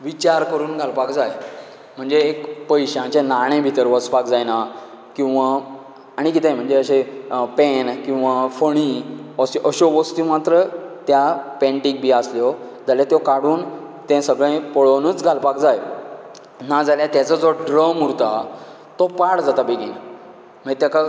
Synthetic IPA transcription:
ʋit͡ɕaɾkəɾuːnɡʱalpakd͡zaj | m̤əɳd͡zeːkpəjɕãt͡ɕẽnaɽ̃ẽbʱit̪əɾʋəspakd͡zajna | kĩw̃ʋaː | ɽ̃ik̬it̪ẽm̤əɳd͡zeəɕepɛnkĩw̃ʋafəɽ̃iəsʔəɕoʋəst̪umat̪ɾət̪japɛ̃ɳʈik̚bʱiːasljo | d͡zaljat̪jokaɽuːn | t̪ɛ̃səɡɭẽpoɭonət͡sɡʱalpakd͡zaj | nad͡zaljat̪jat͡səd͡zoɖɾəmuɾt̪a | t̪ɔpaɽd͡zat̪abeɡin | m̤əɳd͡zet̪jaka

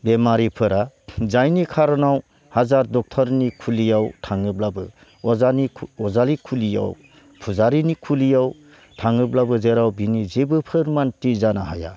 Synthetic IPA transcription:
bemaɾipʰɯɾazajnikʰaɾɔnaw | hazaɾdɔk̚tʰɔɾnikʰulijawtʰaŋɯblabɯ | ɔaniɔzalikʰulija̰w | pʰuzaɾinikʰulijaw | tʰaŋɯblabɯzeɾawbinizebɯpʰɯɾmantizanahaja̰

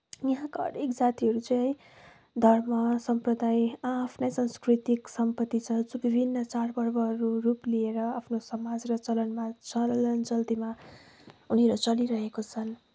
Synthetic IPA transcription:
jʌɦãkaʌ̰ɾekd͡zat̪iɦʌɾut͡saĩ | d̪ʱʌrmʌsʌmprʌd̪ajapʰnajsʌnskrit̪iksʌmpʌt̪ːit͡sʰʌt͡subibʱinːʌt͡sarbʌrbʌɦʌɾuruplieɾʌapʰnosʌmad͡zrʌt͡sʌlʌnmat͡sʌlʌnt͡sʌlt̪ima | uneɾʌt͡sʌliɾʌɦekot͡sʰʌn

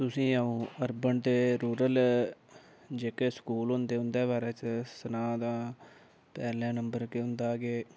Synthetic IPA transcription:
t̪ʊsĩːaũːəɾbəɳt̪eːɾuːɾəl | d͡ʒeːkeːskuːlɦʊnd̪eːɦʊnd̪eːbaːɾɛːt͡ʃəsənaːd̪ãː | pɛːlɛ̃ːnəmbəɾkeɦʊ̃nd̪aːɡeː

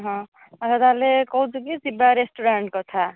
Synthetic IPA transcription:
ʌɦʌ̃ | ɾʌd̪alekʌwt͡sukisibaɾesʈuɾaɳʈ̚kot̪ʰa

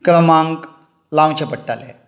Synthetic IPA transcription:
kləmaŋɡ | law̃t͡ɕʰepəʈːalḛ

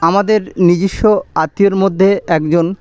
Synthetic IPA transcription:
amad̪eɾnid͡ʑiʃːoat̪ːieɾmod̪ʱːeɛkd͡ʑon

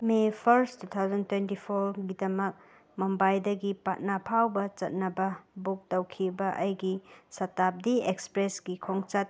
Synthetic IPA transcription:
mepʰɐɾstut̪ʰawzɐntwentipʰoɾɡidɐmɐk̚ | mombajdɐɡipat̚napʰawbɐt͡ʃɐt̚nɐbɐbuk̚tɐwkʰibɐʔɐjɡisɐtap̚diekspɾesɡikʰoŋt͡ʃɐt̚

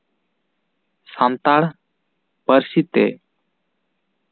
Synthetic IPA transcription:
sant̪aɽ | pəɾsit̪ḛ

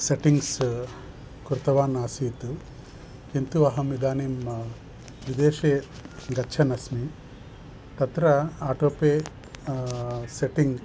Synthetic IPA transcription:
seʈiŋɡs | kuɾt̪ɐʋaːnaːsiːt̪u | kint̪uɐɦɐmid̪aːniːm | ʋid̪eːʃeːɡɐt͡ʃʰɐnɐsmi | t̪ɐt̪ɾɐaːʈoːpeː | seʈiŋɡ

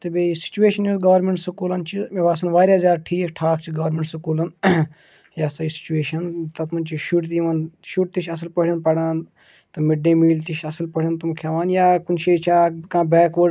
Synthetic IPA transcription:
t̪ɐbeisi̥t͡ʃueːʃɐnjuɡɐʋɾmeɳʈsikuːlɐnt͡ʃʰimeʋaːsɐnʋaːɾʲjaːzʲaːɾʈʰiːkʈʰaːkt͡ʃʰiɡɐʋɾmeɳʈsikuːlɐn | jaːsɐisi̥t͡ʃueːʃɐnt̪ɐt̪mɐnt͡ʃiʃuʈt̪iʋanʃuʈ̚t̪it͡ʃʰɐsɐlpɐɽʲɐnpɐɽaːn | t̪ɨmɪɖːẽːmiːlt̪iʃʰɐsɐlpɐɽʲɐnt̪umkʰjaːʋaːnjaːkunʃeːt͡ʃʰaːkãːbɛːkʋə

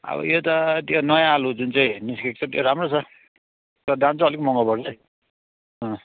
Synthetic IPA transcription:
ʌ̰bʌ̰jot̪ʌt̪jonʌjãːlud͡zunt͡saj̃niskek̚t͡sʰʌt̪jo̰ɾamrot͡sʰʌ | t̪ʌd̪ãnt͡sʰʌʌlikmʌŋɡʌbʌrt͡sʌj | ʌ̃

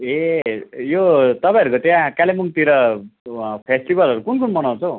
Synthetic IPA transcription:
e | jot̪ʌpãj̃ʌɾukot̪jãkalemuŋt̪iɾʌ | pʰesʈibʌlʌɾukunkunmʌnaw̃t͡sʰʌw

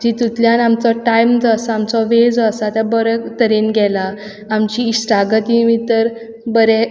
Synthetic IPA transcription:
d͡ʑit̪ut̪ljãnamt͡sɔʈajmd͡zəsaamt͡sɔʋed͡zəsat̪jabəɾət̪əɾenɡʱɛlaː | mt͡ɕiːsʈaɡət̪imit̪əɾ | bəɾɛ

